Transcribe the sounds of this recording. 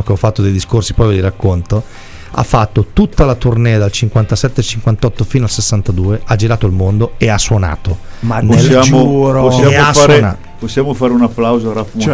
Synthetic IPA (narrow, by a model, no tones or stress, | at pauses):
okeɔfːat̪ːod̪ejd̪iskorsipɾɔvid̪iɾakːont̪o | a̰fːat̪ːot̪ut̪ːalat̪urnɛːad̪alt͡ʃiŋkwant̪asɛt̪ːeat͡ʃiŋkwant̪ɔt̪ːofinoalsesːant̪ad̪uːeʔad͡ʒiɾaːt̪oilmond̪oeasːwona̰ːt̪o | manesjaːmouɾosːjaːeoafaena̰ | posːjaːmofaːɾeunapːlawzoaɾaf